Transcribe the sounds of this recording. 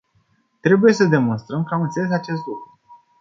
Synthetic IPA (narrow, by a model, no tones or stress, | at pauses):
t̪ɾe̞buje̞səd̪e̞mo̞nst̪ɾəmkəamɨnt̪selezat͡ʃe̞st̪lukɾu